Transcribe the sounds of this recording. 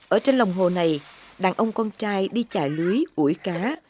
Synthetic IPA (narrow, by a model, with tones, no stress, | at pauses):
ʔəː˧˩t͡ɕe˧nlə˨˩wŋ͡mɦo˨˩na˨˩jɗaː˧˩ŋʔə˧wŋ͡mkɔ˧nt͡ɕaː˧jɗi˧t͡ɕa̰ː˧˩jlu˨˦jʔu˧˩əjkaː˨˦